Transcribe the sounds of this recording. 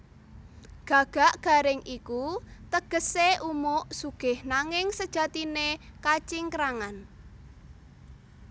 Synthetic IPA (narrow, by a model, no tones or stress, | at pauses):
ɡ̥ä̤ɡ̥a̤ʔɡ̥a̤ɾɪŋʔikut̪əɡ̥əseʔumʊʔsuɡ̥ɪhnaŋɪŋsəd̥ʒ̥a̤t̪inekat͡ʃɪŋkɾaŋan